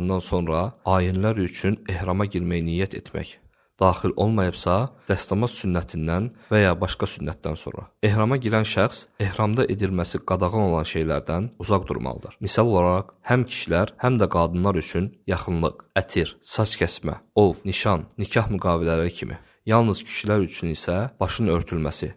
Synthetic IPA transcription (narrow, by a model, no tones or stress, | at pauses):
nd̪ɑnso̞nɾɑɑːjinlæɾyt͡ʃʰyne̞hɾɑmɑɟiɾmæjnijæt̪ʰe̞t̪ʰmæ̰ç | d̪̥ɑːχilʔo̞̰lˠmɑjɯbsɑd̪̥æst̪ɑmɑzsynːæt̪ʰind̪ænvæjɑbɑʃkɑsynːæt̪̚d̪ænso̞̰nɾɑ̰e̞hɾɑmɑɟiɾænʃæχse̞hɾɑmd̪ɑʔe̞d̪ilmæsiɡɑd̪ɑɣɑno̞lˠɑnʃe̞jlæɾd̪ænuzɑʁd̪ṵɾmɑ̰lˠɯ̰d̪ɯɾ̥misɑlˠo̞lˠɑɾɑqhæmcʰi̥ʃilæɾhæmd̪æɡɑːd̪ɯnlˠɑɾyt͡ʃʰynjɑχɯnlˠɯqæt̪ʰiɾsɑt͡ʃcʰæsmæ̰ovniʃɑnːicʰɑhmyɡɑːvilælæɾicʰimʔḭ | jɑlˠnɯz̥cʰi̥ʃilæɾyt͡ʃʰynisæb̥ɑʃɯnø̞ɾt̪ʰylmæsi